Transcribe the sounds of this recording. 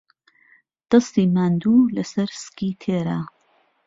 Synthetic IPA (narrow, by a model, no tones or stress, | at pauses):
d̪̥ɐst̪iːmaːnd̪uːlɐsɐɾskiːt̪ʰeːɾa